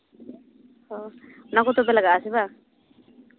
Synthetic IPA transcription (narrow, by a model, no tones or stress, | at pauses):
hɔunakɔt̪ɔbɛlaɡaʔasɛba